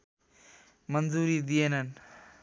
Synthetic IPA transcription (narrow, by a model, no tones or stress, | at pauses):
mɐnzuːɾid̪ienɐn